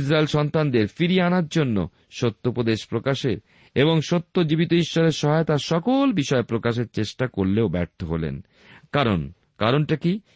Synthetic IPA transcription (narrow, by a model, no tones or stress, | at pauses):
ʃɾaelʃɔnt̪and̪eɾfiɾianaɾd͡ʑonːo̰ | ʃot̪ːopɾod̪eʃpɾokaʃeɾ | eboŋʃot̪ːod͡ʑibit̪oiʃːɔɾeɾʃɔɦaet̪aɾʃɔkolbiʃɔepɾokaʃeɾt͡ɕeʃʈakoɾleobɛɾt̪ʰoɦolḛn | kaɾon | kaɾonʈaki